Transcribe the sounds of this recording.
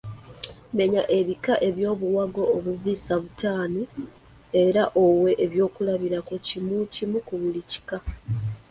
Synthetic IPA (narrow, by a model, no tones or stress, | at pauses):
me̞ɲaʔe̞βikaʔe̞βjo̞ːβuwaɡo̞ːβuviːsaβutaːno | e̞ɾaʔo̞we̞ʔːβjo̞ːkulaβiɾakocimucimukuβulici̥ka